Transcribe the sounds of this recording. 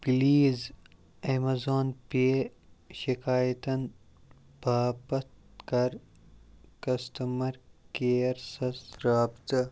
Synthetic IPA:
biliːz | emazoːnpe | ʃikaːjt̪ɐn | b̥ʱaːpɐt̪kɐɾ | kɐst̪ɐmɐɾkeːɾsɐsɾaːbt̪ɐ

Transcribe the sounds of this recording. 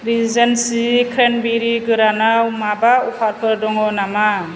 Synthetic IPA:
ɾizensikʰɾenbiɾiɡɯɾanawmabaupʰaɾpʰɯɾdɔŋɔnama

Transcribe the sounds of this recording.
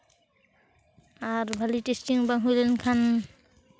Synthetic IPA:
aɹbʱalitestiŋbaŋɦujlɛnkʰan

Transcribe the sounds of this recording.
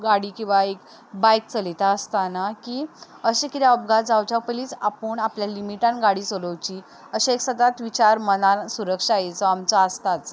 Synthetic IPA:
ɡaɽiːkĩʋaek | bajk̚t͡səlit̪aəst̪anakiː | əɕekit̪jaəpɡad͡zawt͡ɕaupəliːt͡sapəɳapljalimiʈanɡaɽiːt͡soləwt͡ɕi | əɕaeksəd̪at̪ʋit͡ɕaɾmənasuɾəkʂaaɦet͡sɔamt͡saəst̪at͡s

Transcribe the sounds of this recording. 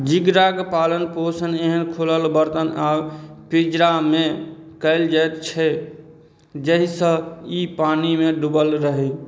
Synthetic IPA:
d͡ʒiɡɾaɡpaːlənposəneɦənkʰoləlbəɾt̪ənaːpid͡ʒɾamẽ | kəɪld͡ʒajt̪t͡ʃʰɛ | d͡ʒəɦisə̃ipaːnimẽɖubəlɾəɦi

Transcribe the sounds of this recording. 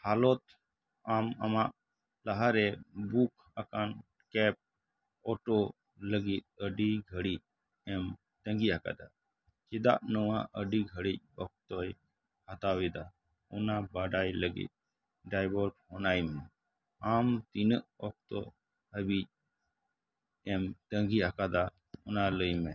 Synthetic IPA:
halɔt̪ | ama̰maʔ | laɦaɾɛbukʰ | akan | kɛp̚ | ɔʈɔ | ləɡit̪̚əɖiɡʱəɽic̚ | ɛm | t̪əŋɡiɦaka̰d̪a | t͡ʃid̪a̰ʔnɔwaʔəɖiɡʱəɽic̚ɔk̚t̪ɔj | hat̪awɛd̪a | ɔnabaɖajləɡḭt̪̚ | ɖajbɔɾk̚hɔnajmɛ | amt̪inəʔɔk̚t̪ɔ̰ | həbic̚ | ɛmt̪əŋɡiakad̪a | ɔnaləjmɛ

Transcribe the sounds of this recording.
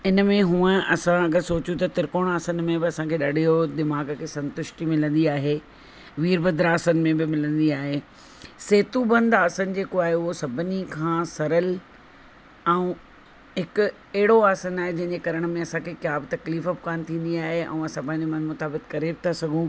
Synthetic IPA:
ɪnəmẽɦũə̃ɐsãɐɡəɾsoːt͡ɕũt̪ɐt̪ɪɾkoːɽ̃aːsənɪ̆mẽbɪɐsãkʰeːɗɐɽʱijod̪ɪmaːɡkʰeːsɐ̃nt̪ʊʃʈimɪlə̃nd̪iaːɦeː | ʋiːɾbɐd̪ɾaːsənɪ̆mẽbɪmɪlə̃nd̪iaːɦeː | seːt̪ubɐ̃nd̪aːsənɪ̆d͡ʑeːkoaːɦeʊɦosɐbʱnikʰãːsɐɾəl | ɛ̃ũ | ɦɪkʊ | ɛɦɪɽoaːsənaːɦed͡ʑɐ̃ɦɪ̃ɲd͡ʑekɐɾəɽ̃ə̆mẽɐsãkʰekjaːbɪt̪ɐkliːfəbɪkaːnɪt̪ʰĩːn̆d̪iaːɦeʔɛ̰̃ːɐsãpɐ̃ɦɪ̃ɲd͡ʑomɐ̃nmʊt̪aːbɪt̪̚kɐɾebɪt̪ʰasɐɡʱũ

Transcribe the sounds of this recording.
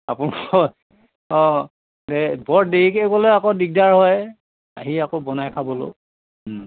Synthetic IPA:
apunɔ | ɔ | ɛbɔɹdeɹikeɡɔlojakɔdiɡ̚daɹɦɔj | a̰ɦiakobɔnajkʰabɔlo̰

